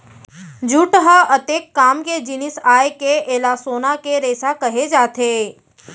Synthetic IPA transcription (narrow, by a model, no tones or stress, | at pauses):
d͡ʒuʈɦəət̪ekːaːmked͡ʒɪnɪsaːekeeːlasoːnakeɾeːsakəɦed͡ʒaːt̪ʰe